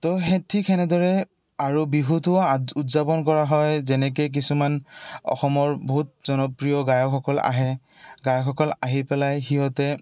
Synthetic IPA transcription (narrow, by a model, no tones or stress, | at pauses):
tɔɦetʰikʰɛnɛdɔɹɛ | aɹubiɦutʊautzapɔnkɔɹaɦɔjzɛnɛk̬ejk̬isumanɔ̰xɔmɔɹbɔɦut̚zɔnɔpɹijɔɡajɔkʰɔkɔla̰ɦɛ | ɡajɔkʰɔkɔlaɦipɛlajxiɦɔtɛ